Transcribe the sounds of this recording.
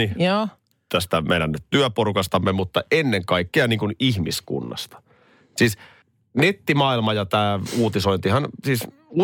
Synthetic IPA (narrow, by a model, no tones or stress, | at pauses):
ijoː | t̪æst̪æmḛnænːyt̪t̪yøpoɾukɑst̪ɑmːemut̪ːɑenːeŋkɑikːeɑniːŋkunihmiskṵnːɑ̰st̪ɑ̥ | siːs | net̪ːimɑːilmɑjɑt̪æːuːt̪iso̞int̪ihɑnsiːs | u